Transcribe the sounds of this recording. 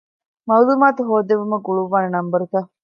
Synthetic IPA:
mɐwlumaːt̪uɦoːd̪eʋumɐɡuɭuʋːaːnɐnɐmbɐɾut̪a

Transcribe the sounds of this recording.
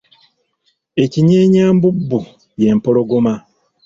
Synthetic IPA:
e̞ciɲeːɲaːmbubːu | je̞mpo̞lo̞ɡoma

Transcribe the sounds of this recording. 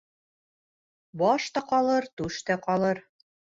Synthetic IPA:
bɒʃt̪ɑqɑlˠɤɾt̪ʉʃt̪æqɑlˠɤɾ

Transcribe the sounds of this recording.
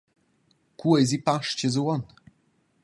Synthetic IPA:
kuɛzipaʂt͡ɕɛzwɔn

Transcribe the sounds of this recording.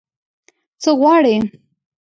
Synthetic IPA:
t͡səɣwɑɽe

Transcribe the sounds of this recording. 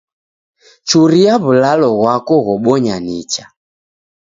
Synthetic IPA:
t͡ʃuɾijaβulalɔɣwakɔɣɔɓɔɲanit͡ʃa

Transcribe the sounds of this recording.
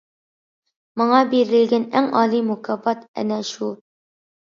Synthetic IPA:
mɤ̆ɴɑbiɾɘɡɘnæŋɑlˠimukɑbɑt̪æ̰næʃu

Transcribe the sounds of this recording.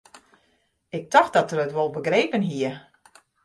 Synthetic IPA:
ɪk̚tɔx̚dɔtərətʋolˠbəɡreːpənɦiə

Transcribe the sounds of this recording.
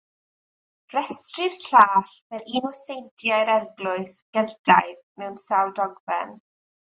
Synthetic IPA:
rɛstrɪð̥ɬaːɬvɛlinɔsejntʰjajɾɛrɡlˠʊɨsɡ̥əðda̰ɨðmɛwnsalˠdɔɡbɛ̰n

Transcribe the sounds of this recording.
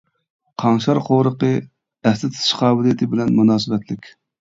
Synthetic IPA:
qʰɑŋʃɑɾqʰowɾəqə | ɛslɪt̪ʰt̪ʰɨ̥ʃqʰɑːbɨlˠijɪt̪ʰɪbɪlɛnmunɑːsɨbɛt̪lɪkʲ

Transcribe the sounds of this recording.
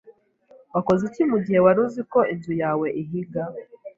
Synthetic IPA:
wako̞zicimuɟihe̞waɾuziko̞inzujaːwe̞ʔiɦiɡa

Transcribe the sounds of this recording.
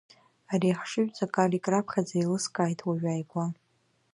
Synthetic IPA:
ariħʂɨɥʷᶣt͡sʼakʼalikʼrapʰχʲad͡zailɨskʼaːjtʼwaɥᶣaːjɡʷa

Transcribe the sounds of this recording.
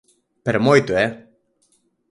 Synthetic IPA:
peɾmojt̪ue

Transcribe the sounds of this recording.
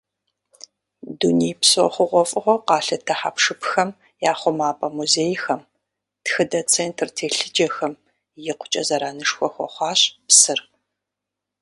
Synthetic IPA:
dunijpsɔ̰χʷʊʁʷɔfʼɨʁʷɔqɑːɬɐtʰɐħa̰pʂɨpxɐm | jaːχʷɔmaːpʼɐmuzeːjxɐm | txɨdɐt͡sʰeːntʰrtʰeːɬɨd͡ʒɐxɐm | jɪqʷʊ̥t͡ʃʼɐzɐɾaːnɨʂxʷɔxʷɔ̰χʷɑːɕʼpsɨr

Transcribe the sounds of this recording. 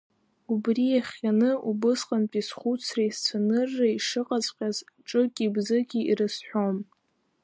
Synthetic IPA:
ubriaχʲanɨubɨsqʼanpʼisχʷut͡sʰrajst͡sʷʰanɨrːaiʂɨqʼat͡sʼqʲʼazʈ͡ʂʼɨkʲʼibzɨɡʲiḭrɨsħʷᶣom

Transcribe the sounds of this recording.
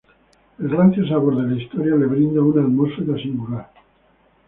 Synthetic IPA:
elɣɾanθjos̬aβoɾðelaist̪oɾjaleβɾind̪aunalmoɾfeðasiŋɡulaɾ

